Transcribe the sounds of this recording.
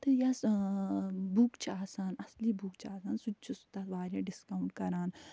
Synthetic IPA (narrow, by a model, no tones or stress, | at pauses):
t̪ɨjɐs | bukt͡ʃʰaːsaːnɐslibuːkt͡ʃʰaːsaːnsut͡ʃʰusu̥t̪at̪ʋaːɾjaɖiskɐwɳʈ̚kɐɾaːn